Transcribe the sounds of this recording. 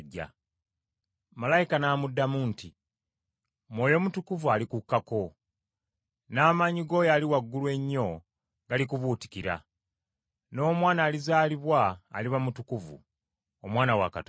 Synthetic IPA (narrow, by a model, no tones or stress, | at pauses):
ɟːa̰ | malajikanaːmudːamunti | mwoːjo̞mutukuvualikukːako̞ | naːmaːɲiɡo̞jaːliwaɡːuluwe̞ɲːo̞ | ɡalikuβuːti̥kiɾa̰ | no̞ːmwaːnaːlizaːliβwa̰ːliβamutukuvṵ | omwaːnawa̰kat